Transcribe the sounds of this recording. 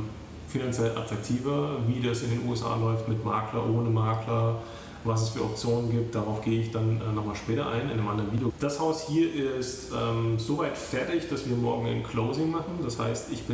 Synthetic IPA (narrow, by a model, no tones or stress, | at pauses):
finant͡sjɛlʔa̰tʁ̥ak̚tʰiːvɐviːdasɪndeːnṵːɛsʔa̰ːlɔʏftmɪtma̰ːklɐʔoːnəmaːklɐ | vas̬ɛsfyːɐʔɔp̚t͡sjoːnənɡiːp̚t̚d̥aʁaʊfɡ̥eːəɪçd̥anɛːnɔχmaːlʃpɛːtɐʔa̰ɪnaɪnəmʔandəɐʁənviːdjod̥ashaʊshiːɐʔɪstʔɛːmzoːvaɪtfɛɐtɪçd̥asv̥iːɐmɔɐɡŋ̩a̰ɪnkʰl̥oʊzɪŋmaχn̩d̥asha̰ɪstɪçb̥ɪ